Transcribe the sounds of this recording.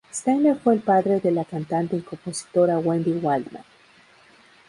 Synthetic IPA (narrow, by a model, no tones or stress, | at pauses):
st̪ajnleɾfweːlpaðɾeðelakant̪ant̪eiŋkomposi̥t̪oɾawend̪iwald̪ma̰n